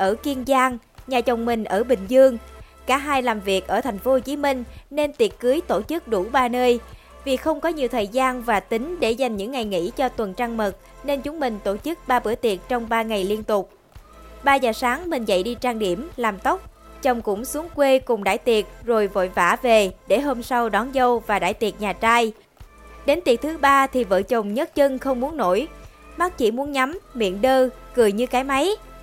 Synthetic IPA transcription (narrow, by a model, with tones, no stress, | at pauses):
ʔəː˧˩ki˧ənzaː˧ŋ | ɲaː˨˩t͡ɕə˨˩wŋ͡mmï˨˩ŋ̟ʔəː˧˩ɓï˨˩ŋ̟zɨ˧əŋ | kaː˧˩ɦaː˧jlaː˨˩mvi˨˩ək̚ʔəː˧˩t̪ʰɛ˨˩jŋ̟fo˨˦ho˨˩t͡ɕi˨˦mï˧ŋ̟ne˧nt̪i˨˩ət̚kɨ˨˦əjt̪o˧˩t͡ɕɨ˦˥k̚ɗu˧˩ɓaː˧nəː˧j | vi˨˩xə˧wŋ͡mkɔ˨˦ɲi˨˩əwt̪ʰəː˨˩jzaː˧nvaː˨˩t̪ï˨˦ŋ̟ɗe˧˩za˨˩jŋ̟ɲɨ̰˧˥ŋːa˨˩jŋḭ˧˥t͡ɕɔ˧t̪wə˨˩nt͡ɕaː˧ŋmə˨˩t̚ | ne˧nt͡ɕʊ˨˦ŋ͡mmï˨˩ŋ̟t̪o˧˩t͡ɕɨ˦˥k̚ɓaː˧ɓɨ̰˧˩ət̪i˨˩ət̚t͡ɕɔ˧wŋ͡mɓaː˧ŋa˨˩jli˧ənt̪ʊ˨˩k͡p̚ | ɓaː˧zaː˨˩saː˨˦ŋmï˨˩ŋ̟zə̰˧˨jɗi˧t͡ɕaː˧ŋɗi˧˩əmlaː˨˩mt̪ə˦˥wk͡p̚ | t͡ɕə˨˩wŋ͡mkʊ̰˧˥ŋ͡msu˨˦əŋkwe˧kʊ˨˩ŋ͡mɗa̰ː˧˥˩jt̪i˨˩ət̚zo˨˩jvo̰˧˨jva̰ː˧˩ve˨˩ɗe˧˩ɦo˧msa˧wɗɔ˨˦nzə˧wvaː˨˩ɗa̰ː˧˥˨jt̪i˨˩ət̚ɲaː˨˩t͡ɕaː˧j | ɗe˨˦nt̪i˨˩ət̚t̪ʰɨ˨˦ɓaː˧t̪ʰi˨˩və̰ː˧˨t͡ɕə˨˩wŋ͡mɲə˦˥t̚t͡ɕɨ˧ŋxə˧wŋ͡mmːu˨˦ənːo̰˧˩j | ma˦˥t̚t͡ɕḭ˧˩mu˨˦ənɲa˨˦mmḭ˧˨ənɗəː˧kɨ˨˩əjɲɨ˧kaː˨˦jma˨˦j